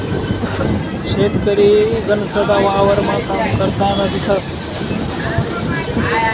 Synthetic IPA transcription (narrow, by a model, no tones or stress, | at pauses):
ɕet̪kəɾiɡənsəd̪aʋaʋəɾmat̪amkəɾt̪anad̪isəs